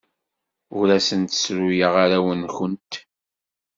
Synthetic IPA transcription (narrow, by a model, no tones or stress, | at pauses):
ʊɾæsənt̪ə̥sɾujəʁaɾæwənçʊnt̪